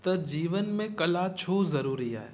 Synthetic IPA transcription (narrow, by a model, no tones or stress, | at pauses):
t̪ɐd͡ʑiːʋənmẽkɐlat͡ɕʰoːzɐɾuːɾia̰ːɦeː